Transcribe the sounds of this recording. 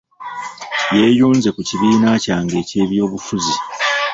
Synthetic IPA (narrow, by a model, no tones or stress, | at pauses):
je̞ːjuːnze̞kuciβiːnacaːŋɡe̞ːce̞ːβjo̞ːβufuzi